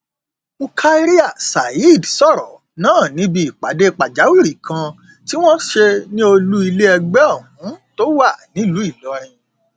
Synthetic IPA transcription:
u˧kʰa˦ɾi˦a˦˨sa˨i˦˨dsɔ˦˨ɾɔ˨ | nãː˦˨nĩ˨˦bi˧i˨k͡pa˨de˦i˧k͡pa˨d͡ʒa˨˦wi˦˨ɾi˨kʰã˧ | ti˦w̃ɔ̃˦ʃe˧nĩ˦o˧lu˦i˧le˦ɛ˧ɡ͡bɛ˦ɔ˦˨hũ˨˦to˦wa˦˨nĩ˨˦lu˨˦i˦˨lɔ˨˦˧ɾ̃ĩ˧

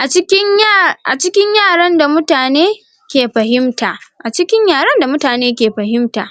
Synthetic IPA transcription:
ʔa˨t͡ʃɪ˦kʲɪ˦ɲʔa̰˨t͡ʃɪ˦kʲɪ˦ɲjaː˦˨ɽɐ˦nda˨mʊ˦taː˨neː˦ | kʲeː˨ɸɐ˨ɦɪ˦mtaː˨ʔʔa˨t͡ʃɪ˦kʲɪ˦ɲjaː˨ɽɐ˦nda˨mʊ˦taː˨neː˦k̬ʲeː˨ɸɐ˨ɦɪ˦mtaː˨ʔ

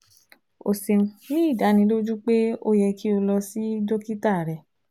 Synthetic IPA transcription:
o˨se˨nĩ˦˨da˨˦nĩ˧˦lo˦d͡ʒu˦k͡pe˦o˦jɛ˧ki˦o˧lɔ˧si˦do˦ki˦ta˦˨ɾɛ˨

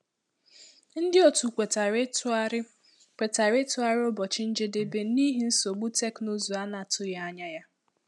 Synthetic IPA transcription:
n̩˦dɪ˦o˨tu˨kʷe˨t | kʷe˨ta˨ɾe˦tʊ˦a˦ɾɪ˦o˦bɔ˨t͡ʃɪ˦n̩˦d͡ʒe˦de˦be˦ni˦ɦi˦n̩˦so˨ɡ͡bu˦te˦knu˦zu˨a˦na˨tʰʊ˦ja˦˨a˦ɲa˦ja˦

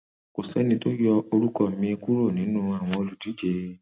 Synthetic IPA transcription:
ko˨sɛ˨˦nĩ˧˦to˦jɔ˧o˧ɾu˦kɔ˦˨mĩ˧e˧ku˦ɾo˦˨nĩ˨˦nũː˦a˦˨w̃ɔ̃˧o˧lu˨di˨˦d͡ʒe˧˦

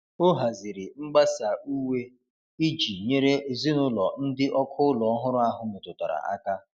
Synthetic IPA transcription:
o˦ɦa˨zi˨ɾɪ˨ŋ͡m̩˦ɡ͡ba˦sa˨u˦we˦ | i˦d͡ʒi˨ɲe˦ɾe˦e˨zi˦nʊ˦lɔ˨n̩˦dɪ˦ʔɔ˦kʰʊ˦ʊ˦lɔ˨ɔ˦ɦʊ˦ɾʊ˦a˦ɦʊ˦mʊ˨tʊ˨ta̰˨ɾa̰˨ʔa̰˦ka˦

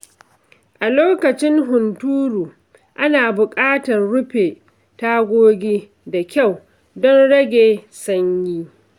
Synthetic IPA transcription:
ʔa˨loː˦kɐ˨t͡ʃɪ˦ŋɦʊ˨ntuː˦ɽuː˨ | ʔa˦naː˨bʊ˨kʼaː˦tɐ˨rɽʊ˦ɸeː˨ | ta˦ɡʷoː˦ɡʲiː˦ | da˨kʲa˦˨w | dɔ˦nɽɐ˦ɡʲeː˨sɐ˦ɲjiː˦

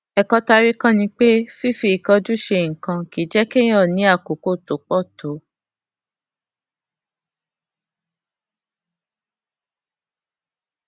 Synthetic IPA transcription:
ɛ˨kɔ˧ta˧ɾi˦kã˦nĩ˧k͡pe˦fi˦fi˧˨i˨kɔ˧d͡ʒu˦ʃe˧˨ŋ̩˨kã˧ki˨˦d͡ʒɛ˦kẽ˦ɔ˦˨nĩ˨˦a˦˨ko˨ko˦˨to˨˦k͡pɔ˦˨to˨˦

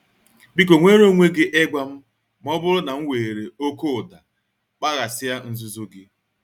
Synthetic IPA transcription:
bi˦k̬o˨ŋʷe˦ɾo˦ŋʷe˦ɡɪ˦ʔe˦ɡʷa˦m̩˦ | m̩˦ɔ˦bʊ˦ɾʊ˦na˨ŋ̩˦weː˨ɾe˨o˦ko˦ʊ˨da˨ | k͡pa˦ɣa˨sɪ˦ja˦n̩˦zu˦zo˦ɡɪ˦

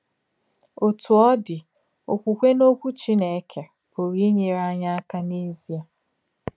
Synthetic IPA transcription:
o˨tu˨ɔ˦dɪ˨ | o̰˨kʷu˨kʷe˦no˦kʷu˦t͡ʃi˦ne˨˦kʰe˨ | bo˨ɾi˦ɲe˨ɾa˦ɲa˦a˦ka˦ne˦zi˦a˨

